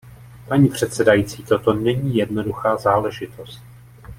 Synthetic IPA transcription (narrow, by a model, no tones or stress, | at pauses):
paɲiːpr̝̥ɛt̪sɛdajiːt͡siːt̪o̞t̪o̞nɛɲiːjɛdno̞duxaːzaːlɛʒɪt̪ost̪̚